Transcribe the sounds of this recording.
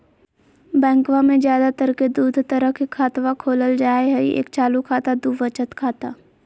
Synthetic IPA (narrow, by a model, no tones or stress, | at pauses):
bɛ̃ːŋkʋamẽd͡ʒjaːd̪at̪əɾked̪uːd̪ʱt̪əɾəkekʰːaːt̪ʋakʰoːləld͡ʒaːeɦɛiḛːkt͡ʃaːlukʰaːt̪ad̪uʋət͡ʃət̪kʰaːt̪aː